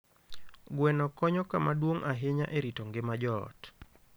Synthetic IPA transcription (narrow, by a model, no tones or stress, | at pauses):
ɡwɛnɔkɔɲɔkamadwoŋʔaɦeɲaʔeɾitɔŋɡɪmad͡ʒɔ̰t